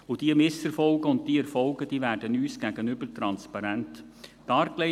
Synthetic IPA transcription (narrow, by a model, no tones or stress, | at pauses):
ʊd̥iəmɪsɛɾfɔlɡəʊnt̚d̥iəɛɾfɔlɡəd̥iːvæːɾd̥ənyːsɡ̥æɡənʏbəɾtɾɑnspɑɾæntd̥ɑːɾkle